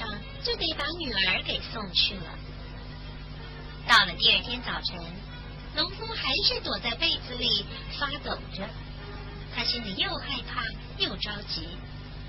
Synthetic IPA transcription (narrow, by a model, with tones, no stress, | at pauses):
ʂɑ˥˧ŋ | t͡ɕe˥˧ɪpe˥˩ɪpa˧˥ny˨˩ə˞˧˥ke˨˩ɪsʊ˥˧ŋt͡ɕʰy˥˩lə̰˩ | t̪ɑ˥˩ʊlə˩t̪i˥˧ə˞˥˩t̪ʰjɛ˥nt͡sɑ˨˩ʊʈ͡ʂʰə˧˥ŋ | lʊ˧˥ŋfu˥ŋxa˧˥ɪʂɻ̩˥˩t̪wɔ˨˩t͡sa˥˧ɪpe˥˩ɪt͡sɹ̩˧˦li˨˩ | fa˥t͡so˨˩ʊʈ͡ʂə˦ | t̪ʰa˥ɕi˥nli˨˩jo˥˧ʊxa˥˧ɪpʰa˥˩ | jo˥˩ʊʈ͡ʂɑ˥ʊt͡ɕi˧˥